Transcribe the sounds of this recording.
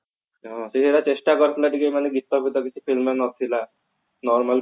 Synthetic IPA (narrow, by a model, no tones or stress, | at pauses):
ɦɔ̃seɦiɾat͡ɕesʈakəɾt̪laʈikemaneɡit̪ːɔbit̪ɔkisifilmenɔt̪ʰila | nɔɾmal